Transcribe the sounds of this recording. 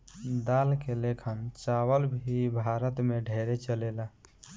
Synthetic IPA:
d̪alkelekʰənt͡ʃawəlbʱibʱaɾət̪meɖʱeɾet͡ʃəlela

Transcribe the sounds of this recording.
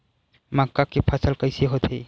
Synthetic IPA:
makːakːipʰasəlkəjsiɦot̪ʰe

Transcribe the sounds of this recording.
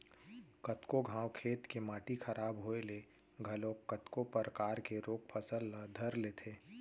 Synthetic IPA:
kɐt̪koɡʱãːwkʰeːt̪kemaːʈikʰɐɾʔaːbɦoːele | ɡʱɐlõkːət̪kopəɾkaːɾkeɾoːk̚pʰəsəlːad̪ʱɐɾleːt̪ʰeː

